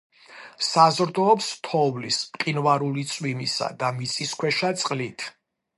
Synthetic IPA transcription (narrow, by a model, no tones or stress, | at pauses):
sazɾd̪ɔːpst̪ʰɔvlisqʼinvaɾulit̪sʼwimisa̰d̪amit̪sʼiskʰwɛʃat̪sʼqʼlit̪ʰ